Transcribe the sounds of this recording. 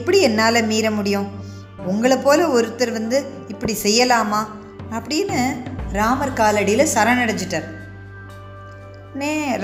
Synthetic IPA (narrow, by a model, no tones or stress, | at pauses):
ɪpːɐɽiɛnːaːlɐmiːɾɐmʊɽɪjʊ̃ | ʊŋɡɐɭɐpːoːlɐɔɾɯt̪ːɐɾʋɐnd̪ɯ | ɪpːɐɽisɛjːɐlaːmaː | ɐpːɐɽɪnːɯɾaːmɐɾkaːlɐɽɪjɪlɐsɐɾɐnɐɽɐɲt͡ʃːɯʈːaːɾ | neː